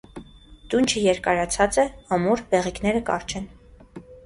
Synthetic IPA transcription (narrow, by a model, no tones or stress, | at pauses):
d̪̥unt͡ʃʰəjɛɾkɑɾɑt͡sʰɑt͡sɛɑmuɾbɛʁiknɛɾəkɑ̰ɾt͡ʃʰɛn